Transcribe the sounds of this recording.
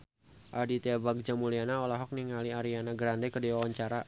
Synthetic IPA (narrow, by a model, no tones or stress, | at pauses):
ʔadit̪eabak̚d͡ʒamulianaɔlaɦɔk̚niŋaliaɾianaɡɾandɛkədiwawaɲt͡ʃaɾa